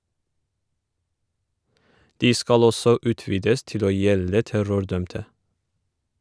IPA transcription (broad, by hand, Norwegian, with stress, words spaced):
ˈdiː ˈskɑl ˈɔsɔ ˈʉːˌtʋiːdəs ˈtɪl ˈoː ˈjɛlə ˈtæɾʊɾˌdœmtə